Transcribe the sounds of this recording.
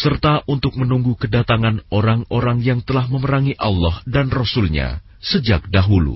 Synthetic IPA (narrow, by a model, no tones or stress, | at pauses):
sərt̪aʔunt̪ʊk̚mənuŋɡukədat̪aŋanoɾaŋoɾaŋjaŋt̪əlahməməɾaŋiʔalːɔhdanrɔsulɲa̰ | səd͡ʒak̚daɦulṵ